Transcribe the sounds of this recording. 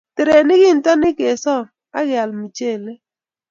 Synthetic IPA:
te˨ɾe˨nɪ˦ɡɪ˦n˨ta˦nɪ˦ke˨sɔ˦˨ | a˦ɡja˨lmi˨t͡ʃe˦˨le˦

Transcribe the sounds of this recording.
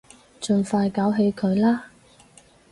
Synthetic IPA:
t͡ʃɵ˨˧nfaː˧jkaː˨˥wɦe˨˧jkʰɵ˨˧ɥlaː˥

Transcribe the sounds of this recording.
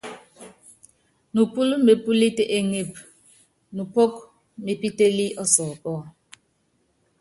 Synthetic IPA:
nu˨pu˦lme˨pu˦li˦te˦ʔe˨ŋe˨p̚ | nu˨po˦k | me˨pi˦te˦li˦ʔɔ˦sɔː˨kɔ˦˨

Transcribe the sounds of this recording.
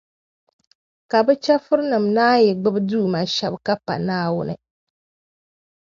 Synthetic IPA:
ka˨bɛ˦t͡ʃɛ˦fʊ˦ɾnɨ˨mnaː˦jɛ˨ɡ͡bɨ˦bɨ˦duː˦˨ma˨ʃɛ˦bka˦pa̰˨naː˦wʊ˦nɨ̰˨

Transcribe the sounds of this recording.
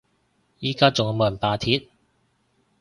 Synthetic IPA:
jiː˥kaː˥t͡sʊ˨ŋɔ˨˧moː˨˧˩ɐ˨˩npaː˨˧t̪ʰiː˨˥t̚

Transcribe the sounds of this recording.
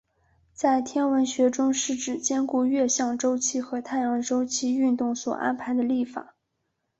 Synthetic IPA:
t͡sa˥˩ɪt̪ʰjɛ˥nwə˧˥nɕɥɛ˧˥ʈ͡ʂʊ˥ŋʂɻ̩˥˩ʈ͡ʂɻ̩˨˩t͡ɕjɛ˥nku˥˧ɥɛ˥˧ɕjɑ˥˩ŋʈ͡ʂo˥ʊt͡ɕʰi˥xɤ˧˥t̪ʰa˥˩ɪjɑ˧˥ŋʈ͡ʂo˥ʊt͡ɕʰi˥y˥˧nt̪ʊ˥˩ŋswɔ̰˨˩ʔa̰˥npʰa˧˥ɪd̪ə˧li˥˩fa̰˨˩˦

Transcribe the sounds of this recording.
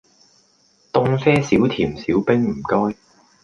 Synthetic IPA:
t̪ʊ˧ŋfɛː˥siː˨˥wt̪ʰiː˨˩msiː˨˥wpɪ˥ŋm̩˨˩kɔː˥j

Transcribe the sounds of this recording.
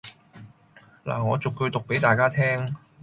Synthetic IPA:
la̰ː˨˩ŋɔː˨˧t͡sʊ˨kːɵ˧ɥt̪ʊ˨k̚pe˨˥jt̪aː˨jkaː˥t̪ʰɛː˥ŋ

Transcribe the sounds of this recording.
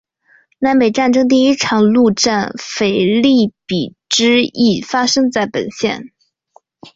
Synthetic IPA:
na˧˥npe˨˩ɪʈ͡ʂa˥˩nʈ͡ʂɤ˥ŋt̪̬i˥˧i˥ʈ͡ʂʰɑ˨˩ŋlu˥˧ʈ͡ʂa˥˩nfe˨˩ɪli˥˩pi˨˩ | ʈ͡ʂɻ̩˥i˥˩fa˥ʂɤ˥ŋt͡sa˥˩ɪpə̰˨˩nɕjɛ̰˥˩n

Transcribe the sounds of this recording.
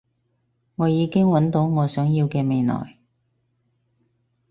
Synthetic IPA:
ŋɔː˨˧jiː˨˧kɪ˥ŋwɐ˨˥nt̪o˨˥wŋɔː˨˧sœː˨˥ŋjiː˧wkɛː˧me˨˧jnɔ̰ː˨˩j

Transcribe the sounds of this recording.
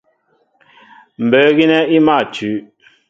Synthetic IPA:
m̩˨bə˨˦ɣi˦nɛ˦i˦ma˦˨tʉ˨˦

